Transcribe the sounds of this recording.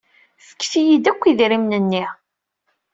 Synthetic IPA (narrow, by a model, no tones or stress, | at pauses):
θə̥kːθijid̪ækʷːiðɾimnənːi